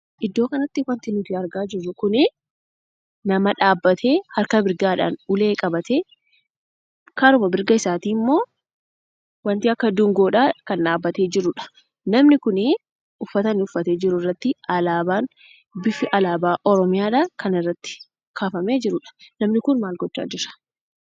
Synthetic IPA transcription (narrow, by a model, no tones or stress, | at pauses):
ʔɪd̪ːo̞ːkɐnɐt̪ːɪwɐnt̪ɪnʊt̪ɪɐɾɡaːd͡ʒɪrːʊkʊnɪ | nɐmɐᶑaːbːɐt̪ʰe̞ːhɐɾkɐbɪɾɡaːᶑa̰ːnʊle̞ːkʼɐbɐt̪eː | kaɾʊmɐbɪɾɡɐɪsaːt̪iːmːo̞ː | wɐnt̪iːɐkːɐd̪ʊŋɡoːᶑaːkɐnᶑaːbːɐt̪e̞ːd͡ʒɪɾʊᶑɐ̥ | nɐmnɪkʊnɪ | ʊfːɐt̪ɐnːɪʊfːɐt̪e̞ːd͡ʒɪɾʊɪrːɐt̪ːɪɐlaːbaːn | bɪfɪʔɐlaːbaːʔɔɾɔmɪjaːᶑakɐnɪrːɐt̪ːɪ̥ | kʰaːfɐme̞ːd͡ʒɪɾʊᶑɐ̥nɐmnɪkʊnmaːlɡɔt͡ʃːa̰ːd͡ʒɪɾɐ̥